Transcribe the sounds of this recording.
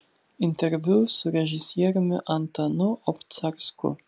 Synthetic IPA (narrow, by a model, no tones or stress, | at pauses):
int̪ɛɾvuwsuɾɛʒisjɛɾmɪ̰ʔant̪anɔʔɔpt̪saɾskṵ